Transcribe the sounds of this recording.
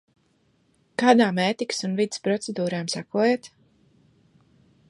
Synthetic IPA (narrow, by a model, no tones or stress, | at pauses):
kaːd̪aːmɛːt̪iksunvid̪spɾɔt̪sed̪uːɾaːmsakuɔjeːt̪